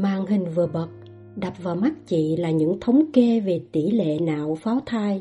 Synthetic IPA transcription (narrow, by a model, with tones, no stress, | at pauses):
maː˨ŋɦï˨˩ŋ̟vɨ˨˩əɓə˨˩t̚ | ɗa˨˩p̚vaː˨˩wma˦˥k̚t͡ɕḭ˧˨laː˨˩ɲɨ̰˧˥ŋt̪ʰə˨˦wŋ͡mke˧˦ve˨˩t̪ḭ˧˩lḛ˧˨na̰ː˧˨wfaː˨˦wt̪ʰaː˧j